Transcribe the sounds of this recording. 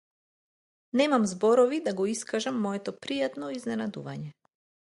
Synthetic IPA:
nɛmamzbɔɾɔvid̪aɡɔiskaʒamːɔɛt̪ɔpɾijat̪nɔiznɛnad̪uvaɲɛ

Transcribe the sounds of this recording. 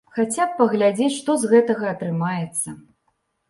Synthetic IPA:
xat͡sʲap̚ːɐɣlʲad͡zʲet͡sʲʂt̪ɔzɣɛt̪ɐɣɐːt̪ɾɨmajɛt̪sːɐ

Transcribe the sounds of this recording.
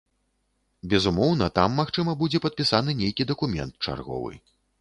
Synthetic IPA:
bʲɛzumɔwnɐt̪amːaxt͡ʂɨmɐbud͡zʲɛpɐt̪̚pʲisanɨnʲejkʲid̪ɐkumʲɛ̰nt̪̚t͡ʂa̰rɣɔ̰vɨ̰

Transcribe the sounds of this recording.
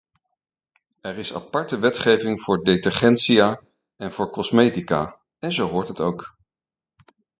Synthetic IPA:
ɛrɪsa̰pɑɹtəʋɛtχejvɪŋv̥ʊːɹdetɛɹχɛntsijaː | ɛnv̥ʊːɹkɔsmejtika̰ː | ɛnzowɦʊːɹtɦətowk

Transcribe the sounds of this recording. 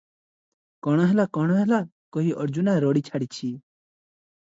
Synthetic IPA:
kɔɽ̃aɦɛlakɔɽ̃aɦɛla | kɔɦiʔɔɾd͡ʒunaɾɔːɽiːt͡ʃʰaːɽit͡ʃʰiː

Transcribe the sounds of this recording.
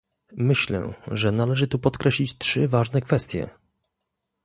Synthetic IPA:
mɘɕlɛ̰ʐɛnalɛʐɘt̪upɔt̪kɾɛɕlʲit͡ɕtʂɘvaʐnɛkfɛst̪ʲjɛ̰

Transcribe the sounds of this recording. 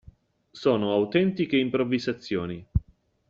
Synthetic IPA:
soːnoawt̪ɛnt̪ikeimpɾovːizat̪sːjoːni

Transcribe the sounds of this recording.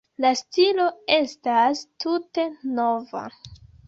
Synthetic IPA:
lastilo̞e̞stastute̞no̞va̰

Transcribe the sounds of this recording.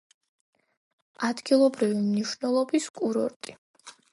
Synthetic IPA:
ad̪ɡilˠɔbɾivimniʃwnɛlˠɔbiskʼuɾɔɾt̪ʼi

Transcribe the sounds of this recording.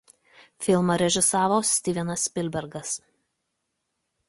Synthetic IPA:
fʲɪlˠmɐɾʲɛʒʲɪsɑːʋoːsʲt̪ʲiːʋʲɛnɐspʲɪlʲbʲɛɾɡɐs

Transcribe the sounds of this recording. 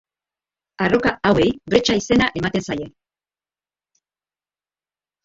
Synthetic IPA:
aro̞kaawe̞jbɾe̞t͡ʃaise̞naʔe̞mat̪e̞nsaje̞

